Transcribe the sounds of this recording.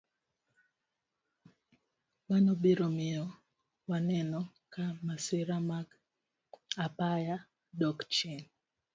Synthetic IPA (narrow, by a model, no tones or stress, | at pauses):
manobiɾomɪɔ | wanɛnɔkamasɪɾamaɡ | apaja | dɔkt͡ʃin